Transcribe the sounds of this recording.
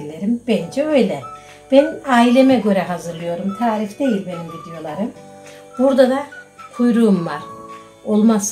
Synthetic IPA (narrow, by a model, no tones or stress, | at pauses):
lʲːeɾimbɛnd͡ʒɛø̞jlʲɛ | b̥ænaːilʲe̞mɛɟø̞ɾɛɦazɯɾlˠɯjo̞ɾumt̪ʰaːɾifd̪e̞jilʲbe̞nimɟid̪ijo̞lˠaɾɯm | b̥uɾd̪ad̪akʰujɾuːmvaɾ̥ | o̞lˠmas